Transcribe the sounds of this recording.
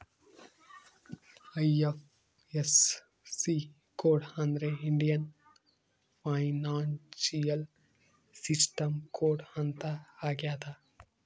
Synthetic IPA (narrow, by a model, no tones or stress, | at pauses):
ɐjef | esː | i | koːɖhãnd̪ɾeiɳɖijɐn | pʰajnaːnsijɐl | sisʈɐmkoːɖhant̪aːɡjaːt̪a